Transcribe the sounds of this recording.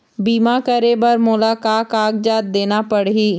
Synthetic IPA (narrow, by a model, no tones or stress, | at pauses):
biːmaːkəɾebəɾmʊlaːkaːkaːkd͡ʒaːt̪̚d̪eːnapəɽɦiː